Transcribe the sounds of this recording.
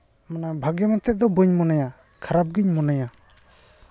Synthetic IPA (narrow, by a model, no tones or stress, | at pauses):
manabʱaɡɛmɛt̪ɛd̪ɔbuɲmɔnaja | kʰaɾap̚ɡiɲmɔnaja